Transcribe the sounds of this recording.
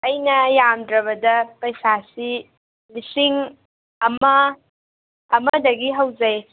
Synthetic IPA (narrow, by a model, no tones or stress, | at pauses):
ɐjnɐjamdɾɐβɐdɐpɐjsasi | lisiŋ | ɐmɐ | mɐdɐɡiɦɐwzɐj